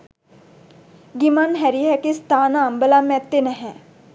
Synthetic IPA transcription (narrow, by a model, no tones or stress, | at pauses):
ɡimanɦæɾiɦɛkist̪aːnaːmbəlamːɛt̪ːenɛɦɛ